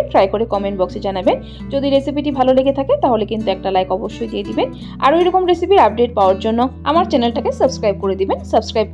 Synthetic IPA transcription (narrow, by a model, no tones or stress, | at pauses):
ʈɾajkoɾekɔmenɳʈbɔksed͡ʑanaben | d͡ʑod̪iɾesipiʈibʱaloleɡet̪ʰaket̪aɦolekint̪uɛk̚ʈalajkɔboʃːojd̪ied̪iben | a̰ɾoejɾɔkomɾesipiɾap̚ɖeʈ̚paoaɾd͡ʑonːoa̰maɾt͡ɕɛnelʈakesəbskɾajb̚koɾed̪ibensəbskɾajb̚k